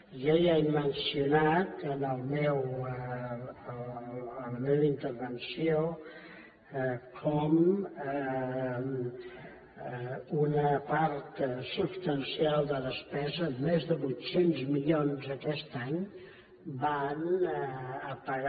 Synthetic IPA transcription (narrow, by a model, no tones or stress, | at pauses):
ʒajaimənsiunat̪ənəlˠmɛw | ələmeβəint̪əɾβənsijo | kʰɔmə | unəpaɾt̪supst̪ənsialˠd̪əðəspɛzəmezðəβut̪senzmiʎonzəkɛst̪aɲ | ban | əpəɣ